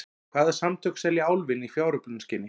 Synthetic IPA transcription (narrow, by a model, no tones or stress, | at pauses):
kʰv̥aːðḁsamt̪ʰʏksɛljaaːwlvɪnifjaːwɾʏpnʏnscɪnːɪ